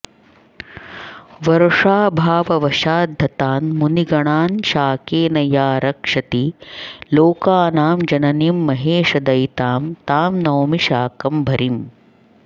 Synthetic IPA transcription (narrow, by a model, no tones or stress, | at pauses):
ʋɐɾɐʂaːbʱaːʋɐʋɐʃaːd̪ʱːɐt̪aːnmuniɡɐɳaːnʃaːkeːnɐjaːɾɐkʂɐt̪iloːkaːnaːmd͡ʒɐnɐnimːɐɦeːʂɐd̪ɐjt̪aːmt̪aːmnɐwmiʃaːkɐmbʱɐɾim